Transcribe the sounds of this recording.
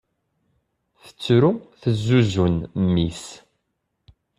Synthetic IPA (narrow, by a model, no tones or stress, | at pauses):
θə̥t͡sːɾuθəzːuzunmːis